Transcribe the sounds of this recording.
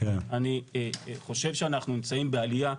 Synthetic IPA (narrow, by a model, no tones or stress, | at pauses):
kenaniχo̞ʃe̞vʃeanaχnunimt͡saimbealija